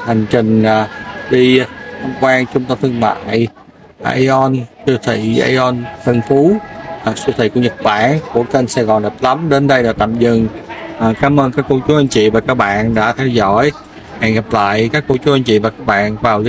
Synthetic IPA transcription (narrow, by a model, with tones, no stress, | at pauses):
ha˨˩jŋ̟t͡ɕï˨˩ŋ̟ː˨˩ɗi˧xə˧ŋ͡mkwaː˧ŋt͡ɕʊ˧˦ŋ͡mt̪ə˧t̪ʰɨ˧əŋma̰ː˧˨j | ʔa̰ː˧jʔɔ˧nkɨ˧t̪ʰḭ˧˨ʔa̰ː˧jʔɔ˧nfə˧nfu˨˦a˨˩k̚sɨ˧t̪ʰḭ˧˨˩ku˧˩əɲə˨˩t̚ɓaː˧˨nku˧˩əke˧nsɛ˧ɣɔ˨˩nɣə˨˩p̚lə˨˦mɗe˨˦nɗə˧jlaː˨˩t̪a̰ː˧˨mzɨ˧˩ŋː˨˩ | kaː˨˦mʔəː˧nkaː˦˥kːə˧t͡ɕu˦˥ʔə˧nt͡ɕḭ˧˨vaː˨˩kaː˦˥k̚ɓa̰ː˧˨nɗa̰ː˧˥t̪ʰɛ˧wzɔ̰˧˩j | ha˧˨˩ɣa˨˩p̚la̰ː˧˨jkaː˦˥kːo˧t͡ɕu˨˦˥ʔə˧nt͡ɕḭ˧˨vaː˨˩kaː˦˥k̚ɓa̰ː˧˨nvaː˨˩wli˦